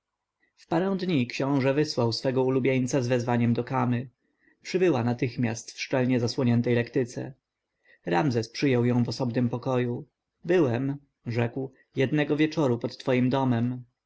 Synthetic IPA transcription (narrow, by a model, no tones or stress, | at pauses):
fpaɾɛ̃w̃d̪ɲikɕɔ̃w̃ʐɛvɘswawsfɛɡɔulubʲjeɲt̪sazvɛzvaɲɛmd̪ɔkamɘ | pʂɘbɘwanat̪ɘxmʲjast̪fʂt͡ʂɛlɲɛzaswɔɲɛnt̪ɛjlɛkt̪ɘt̪sɛ̰ | ɾamzɛspʂɘjɔwjɔ̃w̃vɔsɔbnɘmpɔkɔju | bɘwɛm | ʐɛkw | jɛd̪nɛɡɔvʲjɛt͡ʂɔɾupɔt̪ːfɔjimd̪ɔmɛm